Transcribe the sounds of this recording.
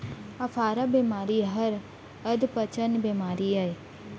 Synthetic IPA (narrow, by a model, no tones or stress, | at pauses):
afʰaːɾabemaːɾiɦəɾ | əd̪pət͡ʃənbemaːɾiaj